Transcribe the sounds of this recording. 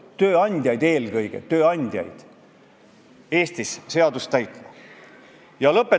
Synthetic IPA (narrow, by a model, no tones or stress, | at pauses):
t̪øːɑnʲd̪̥ʲjɑjd̪e̞ːlɡɤjɡ̥e̞̰t̪øːɑnʲd̪̥ʲjɑ̰jd̪̥ | e̞ːst̪isse̞ɑd̪ust̪æjt̪ːˑmɑ | jɑlɤpːˑe